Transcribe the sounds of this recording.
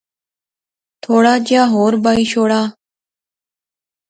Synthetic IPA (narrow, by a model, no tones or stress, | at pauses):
t̪ʰoːɽaːd͡ʑjaːɦoːɾbaiɕoːɽaː